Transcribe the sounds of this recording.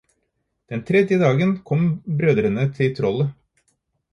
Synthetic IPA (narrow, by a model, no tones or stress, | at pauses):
d̪̥ɛnt̪ʰɾɛd̪jəd̪ɑːɡənkʰɔmbɾøːd̪ɾənət̪ʰɪt̪ʰɾɔlə